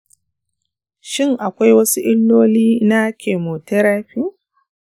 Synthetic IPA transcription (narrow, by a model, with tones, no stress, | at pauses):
ʃɪ˦ŋʔa˨kʷa˦jwɐ˦su˦ʔɪ˦lːoː˦liː˦na˦kʲʰeː˨moː˨tɛ˦ɾaː˦ɸi˦